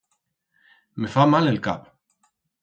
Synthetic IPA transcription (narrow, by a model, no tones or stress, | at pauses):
mɪfamalɪlka̰ːp